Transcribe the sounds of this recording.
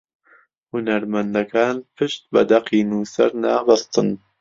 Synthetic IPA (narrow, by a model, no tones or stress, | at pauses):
hʊnæɾmɐnd̪ɐkʰaːnpʰɨʃt̪̚bɐ̰d̪ɐqiːnuːsɐ̰ɾnaːbɐst̪ɨn